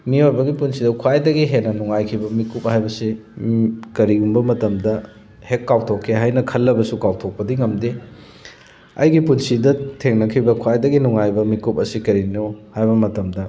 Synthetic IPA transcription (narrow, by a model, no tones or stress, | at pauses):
mioɾbɐɡipunsidɐkʰwajdɐɡiɦenɐnuŋajkʰibɐmikup̚hajbɐsi | kɐɾiɡumbɐmɐtɐmdɐ | hekːawtʰokʰːeɦajnɐkʰɐlːɐbɐsukawtʰok̚pɐdiŋɐmde | ɐ̰jɡipunsidɐtʰeŋnɐkʰibɐkʰwajdɐɡinuŋajbɐmikup̚ɐsikɐɾinohajbɐmɐtɐmdɐ